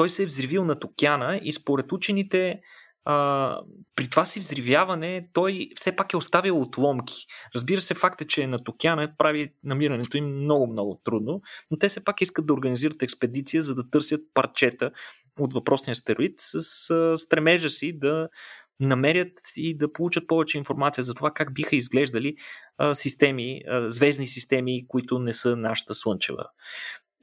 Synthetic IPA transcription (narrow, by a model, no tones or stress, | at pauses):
t̪ɔjsɛvzɾivilˠnɐt̪ʊkʲjanəispoɾɛt̪ut͡ʃɛnit̪ɛ | ə | pɾit̪ovasivzɾivjavɐnɛt̪ɔjfsɛpakɛost̪avilˠot̪lˠɔmkʲi̥ɾəzbiɾəsɛfakt̪ət͡ʃɛnɐt̪ʊkʲjanəpɾavinɐmiɾɐnɛt̪oimːnɔɡʊmnɔɡʊt̪ɾud̪nonot̪ɛfsɛpakiskəd̪ːɐoɾɡɐniziɾət̪ɛkspɛd̪it̪sijəzɐd̪ɐt̪ɤɾsʲjət̪̚pɐɾt͡ʃɛt̪ə | ot̪vɐpɾɔsnijəst̪ɛɾoit̪səsəst̪ɾɛmɛʒəsid̪ɐnɐmɛɾʲjət̪id̪ɐpolˠut͡ʃət̪̚pɔvɛt͡ʃɛinfoɾmat̪siəzɐt̪ovakaɡ̚bixəizɡlɛʒd̪ɐlisist̪ɛmizvɛznisist̪ɛmikʊit̪ʊnɛsɤnaʃə̥t̪əslˠɤnt͡ʃɛ̰və̰